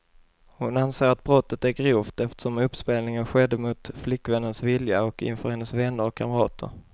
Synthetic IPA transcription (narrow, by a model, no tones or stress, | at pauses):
hʊnanseːɾat̪̚bɾɔt̪ːət̪æɾɡɾuːft̪ɛft̪ə̥ʂɔmɵpːspeːlnɪŋənɧɛd̪ːəmʊt̪flɪkːvɛnːənsvɪljaɔkɪ̰nfœɾhɛnːəsvɛnːəɾɔkʰːaməɾɑːt̪ʰə̰ɾ